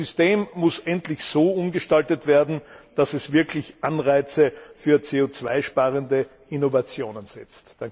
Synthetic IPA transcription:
ʏsteːmːʊsʔɛntlɪçz̥oːʊmɡəʃtaltətv̥eːɐdn̩d̥asɛsv̥ɪɐkʰlɪçʔanʁaɪt͡səfyːɐt͡seːot͡sv̥a̰ɪʃpaːʁəndə | ɪnovat͡sjoːnənz̥ɛt͡std̥aŋ

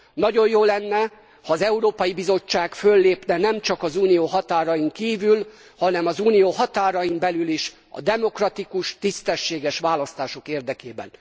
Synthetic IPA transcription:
nɒɟo̞jjoːlɛnːɛ | hɒːzɛuɾoːpɒjibizo̞t͡ʃːaːkfø̞lːeːpnɛnɛmt͡ʃɒkɒzuːnijoːɦɒt̪aːɾɒjiŋkiːvyl | hɒnɛmɒzuːnijoːɦɒt̪aːɾɒjimbɛlyliʃ | ɒ̰d̪ɛmo̞krɒt̪ikuʃt̪ist̪ɛʃːeːɡɛʃʋaːlɒst̪aːʃo̞keːrd̪ɛkeːbɛ̰n

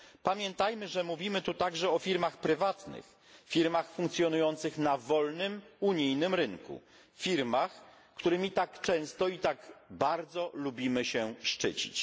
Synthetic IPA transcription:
pamʲjɛnt̪ajmɘʐɛmuvʲimɘt̪ut̪aɡʐɛɔfʲiɾmaxpɾɘvat̪nɘ̰x | fʲiɾmaxfuŋkt̪sʲjɔnujɔnt̪sɘxnavɔlnɘmuɲijnɘmɾɘŋkṵ | fʲiɾmax | kt̪uɾɘmʲit̪akt͡ʂɛ̃w̃st̪ɔit̪aɡbaɾd̪zɔlubʲimɘɕɛʂt͡ʂɘ̰t͡ɕi̥̰t͡ɕ

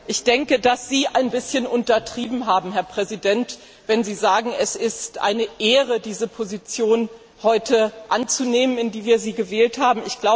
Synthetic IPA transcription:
ʔɪçd̥ɛŋkədasz̥iːʔaɪnbɪsçənʔʊntɐtʁ̥iːbm̩ɦaːbm̩ɦɛɐpʁ̥ɛzidɛnt | v̥ɛnziːzaːɡŋ̩ɛsɪstʔa̰ɪnəʔeːʁədiːzəpʰozit͡sjoːn | hɔʏtəʔant͡suneːmənɪndiːviːɐziːɡəvɛːlthaːbm̩ɪçɡ̥laʊ

